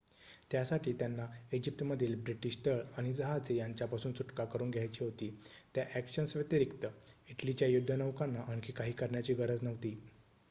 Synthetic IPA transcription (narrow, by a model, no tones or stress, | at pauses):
t̪jasaʈʰiːt̪janːaid͡ʑip̚t̪məd̪ʱiːlbɾiʈiɕt̪əɭaɽ̃id͡zəɦad͡zejaɲt͡ɕjapasuːnsuʈkakəɾuːnɡʱjajt͡ɕiːɦot̪iːt̪jaʔækɕənsʋet̪eɾikt̪əiʈlit͡ɕjajud̪ʱːənəʋkanːaʔankiːkaɦiːkəɾɳjat͡ɕiːɡəɾəd͡znəʋt̪iː